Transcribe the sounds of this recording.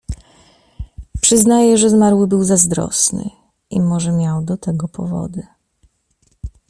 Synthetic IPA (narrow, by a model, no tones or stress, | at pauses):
pʂɘznajɛʐɛzmaɾwɘbɘwzazd̪ɾɔ̰snɘ̰ | ʔimɔʐɛmʲjawd̪ɔt̪ɛɡɔpʰɔvɔ̰d̪ɘ